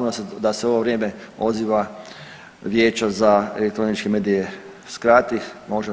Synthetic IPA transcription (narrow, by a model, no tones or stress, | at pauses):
nsd̪aseo̞ʋoʋɾjeːmeo̞ziʋa | ʋjeːt͡ʃazaelekt̪ɾo̞nit͡ʃkemeːd̪ije | skɾaːt̪imoʒe